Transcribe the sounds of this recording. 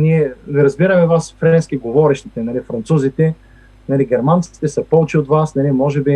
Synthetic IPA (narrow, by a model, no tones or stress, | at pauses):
niɛviɾɐzbiɾɐmɛvasfɾɛɛnsk̟iɡovɔɾɛʃt̪it̪ɛnɐlifɾɐnt̪suzit̪ɛ | nɐliɡʲɛɾmant̪si̥t̪ɛsɐpɔvt͡ʃiot̪vasnɐlimɔʒɛbi